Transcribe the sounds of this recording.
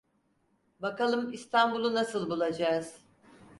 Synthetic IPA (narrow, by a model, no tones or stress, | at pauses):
bakalˠɯmist̪ʰanbulˠunasɯlˠbulˠad͡ʒaːz̥